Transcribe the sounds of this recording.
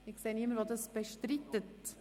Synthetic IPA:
ɪkseːnɪməɾʋod̪əsb̥əʃtɾɪt̪ət̪

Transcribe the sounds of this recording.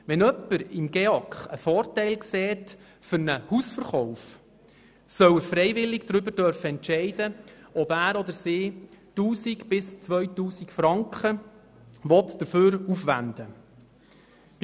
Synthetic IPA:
ʋɛnœpːəɾɪmɡeɔkχəfɔːɾtɛɪlkseːt | fʏɾnəhusfəɾχɔʊf | sœwəfɾɛjvɪlɪɡd̥ɾʏbəɾdœɾfəɛntʃɛɪd̥ə | ɔbæːɾɔd̪əsiːtuːsikb̥ɪst͡sʋœɥtuːsikfɾɑŋkχə | ʋɔt̪d̥̪əføːɾufʋæ̰nd̪ə

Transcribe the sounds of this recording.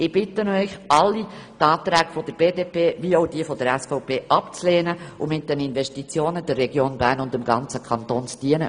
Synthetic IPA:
ɪb̥ɪtənœʏçɑlːitɑːt̪ɾɛːɡ̥fɔd̥əɾb̥eːdeːpeːʋioʊdiəfɔd̥əɾɛsfɔʊpʰeːʔɑpt͡sleːnəʊmɪt̚d̥ɛninvɛʃtit͡sjoːnəd̥̪ɛrːɛɡ̥joːnbæːɾnʊndɪmɡɑnt͡səkʰɑntoːnt͡stiənə̰

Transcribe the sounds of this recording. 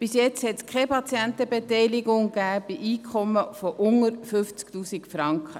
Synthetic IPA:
b̥ɪsjɛt͡shɛtskχɛpʰɑt͡sjɛnt̪əbet̪ɛjlɪɡʊŋɡ̥æːb̥iʔiːkʰɔmːəfɔʔʊŋəɾfʏft͡skt̪uːsikfɾɑŋkχə

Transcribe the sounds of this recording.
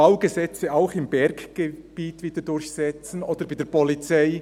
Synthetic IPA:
aʊɡəzɛt͡səaʊxɪmbɛɾɡɡ̥eb̥iːtviːd̥ədʊɾçsɛt͡sn̩ʔoːd̥əɾbaɪd̥eɛpʰɔlit͡saɪ

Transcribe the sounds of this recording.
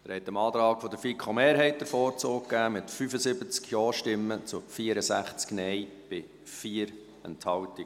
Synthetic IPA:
d̪əɾhɛt̪ːəmɑːt̪ɾɑːkfɔdəɾfikʰχomeːɾɦɛɪt̚d̥əɾfɔːɾt͡soːkkːæːmɪtfyfəsɪbət͡skjɔːʃtɪmːət͡sʊfiːəɾəsæχt͡sknɛɪ | b̥ɪ | fiːəɾ | ɛ̰nthɑwtɪ

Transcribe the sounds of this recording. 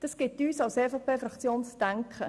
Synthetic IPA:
d̥ɑsɡ̥ɪtyːsɑʊseːfɑpʰeːfɾɑkt͡sjoːnt͡sd̥æŋkχə

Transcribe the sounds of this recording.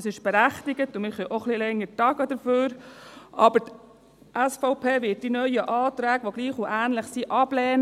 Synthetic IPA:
sɪʃb̥ɛɾæχt̪ɪɡətʊnmɪχɛʔoχlilɛŋːəɾtɑɡəd̪əɾføːɾʔɑbəɾt | ʔæsfɔʊpʰeːʋɪːt̚d̥inœʏəʔɑːt̪ɾæːɡʋoɡliːχʊʔæːnləχsiʔɑblɛːn

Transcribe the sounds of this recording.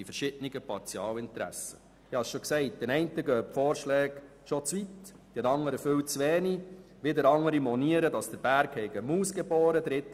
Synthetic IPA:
ifəɾʃɪdəniɡəpɑɾt͡siɑːlɪntɾæ̰sə | ɪhɑsʃɔksɛɪt̚d̥ɛnɛɪntəɡœːpfɔːɾʃlɛːɡ | ʃɔt͡sʋit | d̥ɛnɑŋːəɾəføwt͡sʋɛːni | ʋɪdəɾɑŋəɾimɔniəɾədɑsd̥əɾb̥æɾkhɛɪɡəmuːsɡebɔːɾədɾɪt̪ː

